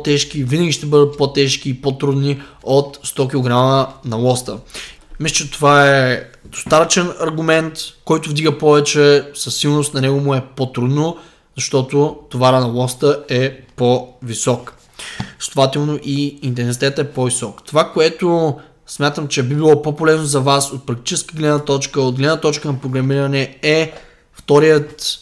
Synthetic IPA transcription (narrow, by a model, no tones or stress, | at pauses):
pt̪ɛʃk̟ivinəɡʲiʃt̪ɛbəd̪ət̪̚pɔt̪ɛʃkiːpot̪ɾud̪niot̪st̪ɔk̬ʲilˠoɡɾamənɐlˠɔst̪ə | mist͡ʃɛt̪ovaɛd̪̥o̥st̪at̪ət͡ʃɛnɐɾɡʊmɛnt̪kɔjt̪ʊvd̪iɡəpɔvɛt͡ʃɛsɐsːilˠnost̪nɐnɛɡomʊɛpot̪ɾud̪no | zɐʃt̪ɔt̪ʊt̪ovaɾənɐlˠɔst̪əɛpovisɔk | sst̪ovat̪ɛlˠnoʔiint̪̬ɛns̬it̪ɛt̪əɛpɔvisɔkt̪ovakoɛt̪ʊ | smʲjat̪əmt͡ʃɛbibilˠɔpopolɛznozɐvasot̪̚pɾɐk̚t̪i̥t͡ʃɛskiɡlɛd̪nət̪ɔt͡ʃkəod̪̚ɡlɛd̪nət̪ɔt͡ʃkənɐpɾoɡɾɐmiɾɐnɛɛ | ft̪ɔɾijət̪